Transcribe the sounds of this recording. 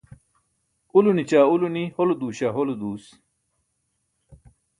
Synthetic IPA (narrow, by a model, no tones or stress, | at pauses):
ulunit͡ɕaːuluniholod̪uːɕaɦolud̪uːs